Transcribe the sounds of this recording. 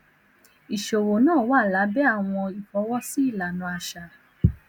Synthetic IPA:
i˨ʃo˨wo˨nãː˦˨wa˦˨la˨˦bɛ˦a˦˨w̃ɔ̃˧i˨fɔ˧˦wɔ˦si˦i˦˨la˨nũ˧a˧ʃa˧˨

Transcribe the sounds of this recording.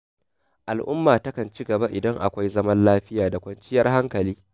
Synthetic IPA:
ʔa˨lʔʊ˦mːaː˨tɐ˦kɐ˨nt͡ʃi˦ɡɐ˨ba˦ʔɪ˨dɐ˦ŋʔa̰˨kʷa˦jzɐ˦mɐ˦nlaː˦ɸɪ˦jaː˨da˨kʷɐ˦nt͡ʃɪ˦jɐ˦rɦa˦ŋkɐ˨liː˦

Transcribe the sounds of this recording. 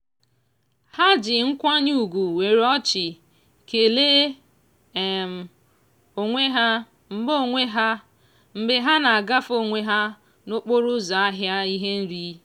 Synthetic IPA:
ha˦d͡ʒɪ˨ŋ̩˦kʷa˦ɲ˦u˦˨ɡʷu˨we˨ɾɔ˦t͡ʃɪ˨ | ke˨leː˦˨ | m̩˨ | o˨ŋʷe˦ɦa˦ | m̩˦bo˦˨ŋʷe˦ɦa˦ | m̩˨bɪ˨ɦa˦na˨a˨ɡa˦fo˨ŋʷe˦ɦa˦ | no˦k͡po˦ɾʊ˦za˨a˦ɦja˦i˦ɦe˦n̩˦ɾi˦

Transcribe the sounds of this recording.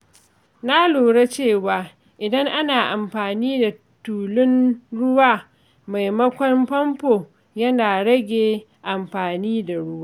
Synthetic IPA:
na˦loː˨ɽe˦t͡ʃeː˦˨waː˨ | ʔɪ˨dɐ˦ŋʔa˦naː˨ʔa˨mɸaː˨niː˦da˨ | tuː˨lɪ˦nɽʊ˦waː˦˨ | ma˨jmɐ˦kʷɔ˦mɸɐ˦mpoː˨ | jɐ˦naː˨ɽɐ˦ɡʲeː˨ | ʔa˨mɸaː˨niː˦da˨ɽʊ˦waː˦

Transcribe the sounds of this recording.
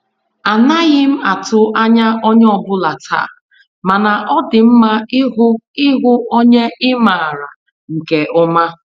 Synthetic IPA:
a˨na˦ɣɪ˦m̩˦a˨tʊ˦ʔa˦ɲa˦ɔ˦ɲ˦ɔ˨bʊ˦la˨tʰa̰˦˨ | ma˨na˨ʔɔ˦dɪ˨m̩˦ma˦ɦʊ˦ɪ˦ɦʊ˦o˦ɲe˦ʔɪ˦ma˨ɾa˨ | ŋ̩˨ke˨ʔʊ˦ma˦

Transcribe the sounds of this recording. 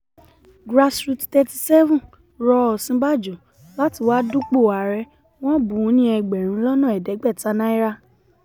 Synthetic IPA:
ɡɾa˧sɾu˧ttɛ˧ti̥˧sɛ˦vũ˦˨ | ɾɔ˧ɔ˧˨sĩ˦ba˦˨d͡ʒu˨ | la˦ti˧˨waː˦du˦k͡po˦˨a˨ɾɛ˧ | w̃ɔ̃˦bũ˨˦nĩ˦ɛ˧ɡ͡bɛ˨ɾ̃ũ˧˦lɔ˦nã˦˨ɛ˨dɛ˨˦ɡ͡bɛ˦˨ta˧nã˦i˦ɾa˦

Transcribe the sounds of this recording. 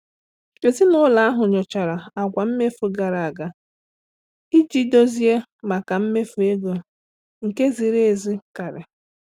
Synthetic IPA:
e˨zi˦nʊ˦la˨a˦ɦʊ˨ɲɔ˨t͡ʃa˨ɾa˨a˨kʷa˨m̩˦me˦fu˨ɡa˨ɾa˨a˨ɡa˦ | i˦d͡ʒi˦do˦zi˦e˦ma˨ka˨m̩˦me˦fu˨e˦ɡo˨ | ŋ̩˨ke˦zi˨ɾe˦e˨zi˦ka˨ɾɪ˨

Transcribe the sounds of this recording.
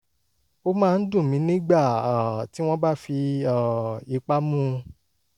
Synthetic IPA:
o˦mãː˦˧n̩˦dũ˦˨mĩ˨˦nĩ˦ɡ͡ba˦˨a˨ti˨˦w̃ɔ̃˦ba˦fi˧a˦˨i˧k͡pa˦mũ˦

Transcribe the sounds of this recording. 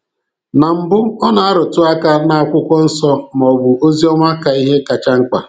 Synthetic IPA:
na˨m̩˨bʊ˦ɔ˦na˨a˦ɾʊ˨tʊ˦a˦ka˦na˨a˨kʷʊ˦kʷɔ˦n̩˦sɔ˦m˨ɔ˨bʊ˨o˦zi˦ɔ˦mʷa˦ka˨i˦ɦe˦ka˨t͡ʃa˦ŋ͡m̩˦k͡pa˨

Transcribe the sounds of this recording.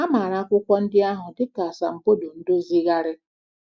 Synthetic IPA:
a˦ma˨ɾa˦kʷʊ˦kʷɔ˦n̩˦dɪ˦a˦ɦʊ˨dɪ˦ta˨a˨sa˨m̩˨po˦do˨n̩˦dʊ˦zi˦ɣa˦ɾɪ˦

